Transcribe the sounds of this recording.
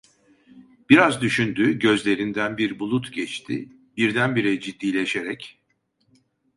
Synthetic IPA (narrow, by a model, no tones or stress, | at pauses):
b̥iɾazd̪yʃynd̪yːɟø̞zlʲe̞ɾind̪ænbiɾbulˠut̪ɟɛt͡ʃt̪ʰɪ̰ | b̥iɾd̪ænbiɾɛd͡ʒid̪ːiːlʲeʃeɾɛc